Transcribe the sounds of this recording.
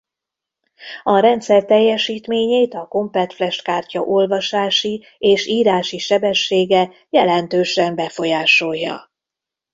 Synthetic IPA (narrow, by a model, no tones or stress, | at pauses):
ɒɾɛnt̪sɛrt̪ɛjːɛʃiːt̪meːɲeːt̪ɒko̞mpɛt̪flɛʃt̪kaːrcɒʔo̞lvɒʃaːʃi | eːʃiːɾaːʃiʃɛbɛʃːeːɡɛ | jɛlɛnt̪øːʃɛmbɛfo̞jaːʃo̞jːɒ̰